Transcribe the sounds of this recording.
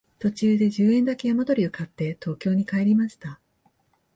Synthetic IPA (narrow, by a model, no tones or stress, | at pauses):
t̪o̞t͡ɕɨːd̪e̞ʑɨːẽ̞nd̪ake̞jamot̪o̞ɾʲio̞kat̪ːe̞t̪ʰo̞ːkʲo̞ːɲ̟ikae̞ɾʲimaɕi̥t̪a